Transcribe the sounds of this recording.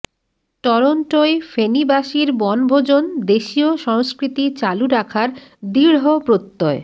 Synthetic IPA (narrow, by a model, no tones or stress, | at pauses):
ʈɔɾonʈoefenibaʃiɾbɔnbʱod͡ʑond̪eʃioʃɔŋskɾit̪it͡ɕaluɾakʰaɾd̪iɾɦopɾot̪ːɔe